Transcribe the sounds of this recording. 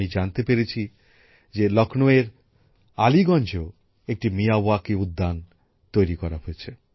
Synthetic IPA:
id͡ʑant̪epeɾet͡ɕʰi | d͡ʑelɔknoeɾ | aliɡɔnd͡ʑo | ek̚ʈimijawakiud̪ːan | t̪ojɾikɔɾaɦojet͡ɕʰe

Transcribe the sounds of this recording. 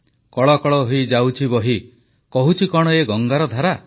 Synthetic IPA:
kɔɭɔkɔɭɔɦojd͡ʒawt͡ʃʰibɔɦi | kɔɦut͡ʃʰikɔɽ̃ɔeɡɔŋɡaɾɔd̪ʱaɾa

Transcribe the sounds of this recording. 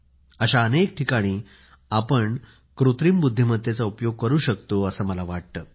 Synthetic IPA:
əɕaənek̚ʈʰikaɽ̃iː | apəɳ | kɾut̪ɾiːmbud̪ʱːiməd̪ʱjet͡saupjoɡ̚kəɾuːɕəkt̪oəsəːməlaʋaʈ̚t̪əː

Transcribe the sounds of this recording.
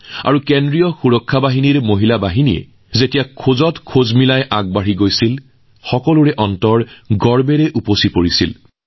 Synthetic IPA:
a̰ɹukendɹijɔxuɹɔkʰːabaɦiniɹmoɦilabaɦinijɛ̰ | zetijakʰozɔtkʰozmilajʔaɡ̚baɹiɡojsil | xɔkɔlʊɹɛʔɔntɔɹɡɔɹbɛɹɛʔuposipoɹisḭl

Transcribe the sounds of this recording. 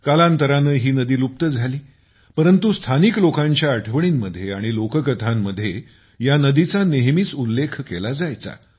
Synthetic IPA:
kalãnt̪əɾanəɦiːnəd̪iːlup̚t̪əd͡zʱaliː | pəɾənt̪ust̪ʰaniklokãɲt͡ɕjaəʈʰəʋɳ̃iːmːəd̪ʱːjeaɽ̃ilokəkət̪ʰamːəd̪ʱːje | janəd̪it͡saneɦmiːt͡sulːekʰkelad͡zajt͡sa̰

